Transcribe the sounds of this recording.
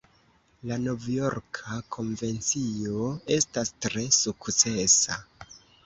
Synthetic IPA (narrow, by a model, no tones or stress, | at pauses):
lano̞vjo̞ɾkʰakʰo̞ɱve̞nt͡sio̞e̞stastɾe̞sukt͡se̞sa̰